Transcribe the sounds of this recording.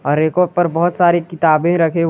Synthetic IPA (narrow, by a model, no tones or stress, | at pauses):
ɔːɾːeːkɔːɖ̚pɐɾbɔɦʊt̪saːɾekɪt̪aːbẽɾɐkʰe